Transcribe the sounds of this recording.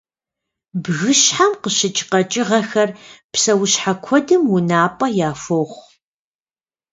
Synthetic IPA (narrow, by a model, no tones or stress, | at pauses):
bɣɨɕħamqəɕɪt͡ʃʼɪqɐt͡ʃʼɪʁɐxɐrpsɐwɕħakʷʰɔdɨmwʊnaːpʼɐjaːfoːχʷ